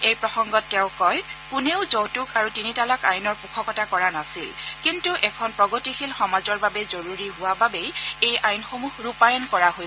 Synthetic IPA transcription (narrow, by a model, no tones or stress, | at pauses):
ejpɹɔxɔŋɡɔtːɛʊ̃kɔjkuneʊzowtukaɹutinitalakajnɔɹpukʰɔkɔtakɔɹanasilkintuʔɛkʰɔnpɹɔɡotixilxɔmazɔɹbabɛzoɹuɹiɦʊwababejejajnxomuɦɹupajɔnkɔɹaɦoj